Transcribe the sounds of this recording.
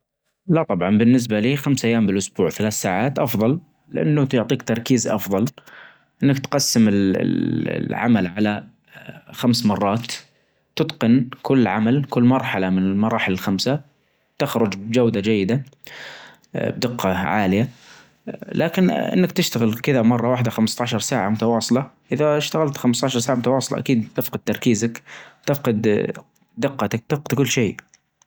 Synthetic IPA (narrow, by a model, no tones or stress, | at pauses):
lat̪ˤɑbʕɑnbɪnːɪs̬baliːxamsʔajːaːmbɪlʔʊsbuːʕθalaːθsaːʕaːt̪ʔɑfðˤɑl | lɪʔa̰nːʊt̪ʊʕt̪ˤiːkt̪ɑɾˤkiːzʔɑ̰fðˤɑl | ʔɪnːakt̪qɑsːɪmɪl̰lʕa̰malʕala | xamsmɑrˤːɑːt̪ː | ɪt̪qɪnkʊlːʕamalkʊlːmɑɾˤħɑlamɪnɪlmɑɾˤɑːħɪlalxamsa | t̪ɪxɾʊd͡ʒbd͡ʒawd̪ad͡ʒajːɪd̪a | b̚d̪ɪqːɑʕa̰ːlɪja | lʔaːkɪnʔɪ̰nːakt̪ɪʃt̪aɣɪlkɪðamɑrˤːɑwaːħɪd̪axamst̪ɑʕʃɑɾˤsaːʕamʊt̪awɑːsˤɨlɑʔɪðaʃt̪aɣalt̪xamst̪ɑːʃɑɾˤsaːʕamʊt̪awɑːsˤɨlɑ̰ʔa̰kiːd̪̚t̪ɪfqɑd̪̚t̪ɑɾˤkiːzakt̪ɪfqɪd̪ | d̪ɪqːɑt̪ak̚t̪ɪfqɪd̪̚kʊlːʃeː